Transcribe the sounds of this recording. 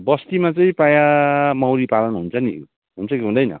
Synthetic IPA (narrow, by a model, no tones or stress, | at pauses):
bʌst̪imat͡sʌĩpajamʌwɾipalʌnɦunt͡sʰʌnḭ | ɦunt͡sʰʌkiɦund̪ʌjnʌ̰